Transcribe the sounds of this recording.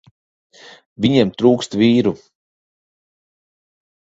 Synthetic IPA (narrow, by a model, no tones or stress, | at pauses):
vʲiɲemt̪ɾuːkst̪viːɾu